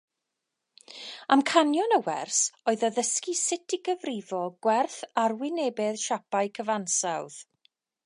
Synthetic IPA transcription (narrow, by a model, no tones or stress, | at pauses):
amkʰanjɔnəwɛ̰rsoɨðɔðəskisɪtʰiɡəvrɪvɔɡ̥wɛrθarwɪneːbɛðʃapaɨkʰəvansawð̥